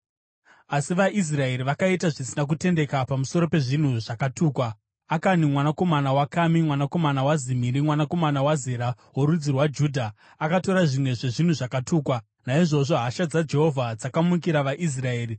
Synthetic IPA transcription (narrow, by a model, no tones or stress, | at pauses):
asiʋaʔis̬rae̞ɾiʋakaitaʐisinak̬ute̞nde̞kapamuso̞ɾo̞pe̞ʐin̤uʐakatuːkwa | akanimwanako̞manawakamimwanako̞manawazimiɾimwanako̞manawazeɾa | woɾud͡zirwad͡ʒuːdʱa | akato̞ɾaʐimwe̞ʐe̞ʐin̤uʐakatuːkwa | naiʐo̞ʐo̞ɦaʃad͡zad͡ʒe̞ɦo̞vʱad͡zakamukiɾaʋaʔis̬rae̞ːri